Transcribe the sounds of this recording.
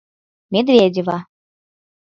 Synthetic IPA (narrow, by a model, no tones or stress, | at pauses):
mʲed̪vʲedʲeva